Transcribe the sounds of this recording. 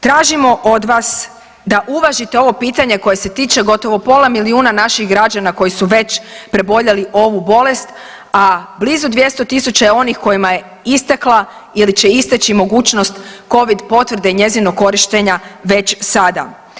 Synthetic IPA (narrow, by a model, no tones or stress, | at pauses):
t̪ɾaːʒimo̞ʔod̪ʋas | d̪aʔuʋaʒit̪eo̞ʋo̞piːt̪aɲe̞ko̞je̞se̞t̪iːt͡ʃe̞ɡo̞t̪o̞ʋo̞po̞lamiliuːnanaʃiɣɡɾad͡ʑanako̞jisuʋe̞t͡ɕpɾe̞bo̞ʎaliʔo̞ʋubo̞le̞st̪ | ablizud̪ʋje̞st̪o̞t̪isut͡ɕajeo̞nixko̞jimaje̞ | ist̪aklˠa | ilit͡ɕe̞ist̪et͡ɕimo̞ɡuːt͡ɕno̞st̪ko̞ʋid̪po̞t̪ʋrɾd̪e̞iɲe̞zinokːo̞ɾiʃt̪e̞ɲaʋe̞t͡ɕsad̪a̰